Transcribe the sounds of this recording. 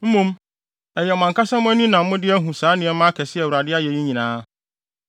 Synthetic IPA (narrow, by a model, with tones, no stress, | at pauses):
m̩˦mũ˦m | ɛ˨jɛ˨ɔ˨mã˨ŋkʰa˦sã˦mʊ̃˦æ˦nĩ˦nã˨m̩˦mʊ̃˦dɪ˦æ˦ɦũ˨saː˨˦nɪ̃˨ɛ˦mã˦kʰɛ˨sɪ˦ɛ˨wu˨ɾa˨dɪ˦a˦jɛ˨ji˦ɲĩ˨nãː˦